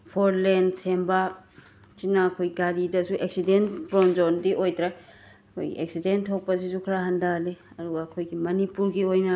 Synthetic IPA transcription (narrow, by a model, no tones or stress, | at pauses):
pʰoɾlendsemba | sinɐɐkʰojɡaɾidɐsuʔek̚sidentpɾɔnd͡ʒondiʔojtɾa | ɐkʰo̰jɡḭḛk̚sidenttʰok̚pɐs̬isukʰɾaɦandale | ɐduɡɐːkʰojɡimɐnipuɾɡiojnɐ